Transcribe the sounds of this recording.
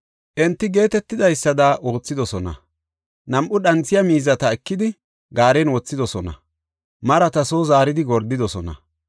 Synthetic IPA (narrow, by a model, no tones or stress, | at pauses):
ʔɛnt̪ːɪɡe̞ːt̪ɛt̪ːɪd̪ɐjsːɐd̪ɐwo̞ːt͡sːɪd̪ɔsɔnɐ̰ | nɐmʔʊɗɐnt͡sːɪjɐmiːzɐt̪ɐɛkːɪd̪ɪ | ɡaːɾɛnwɔt͡sːɪd̪ɔsɔnɐ̰ | mɐɾɐt̪ɐsoːzaːɾɪd̪ɪɡɔɾd̪ːɪd̪ɔsɔnɐ̰